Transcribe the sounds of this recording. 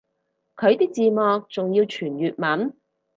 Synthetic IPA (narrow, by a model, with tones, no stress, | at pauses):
kʰɵ˨˧ɥt̪iː˥k̚t͡siː˧mɔː˨k̚t͡sʊ˨ŋjiː˧wt͡ʃʰyː˨˩njyː˨t̚mɐ˨˥n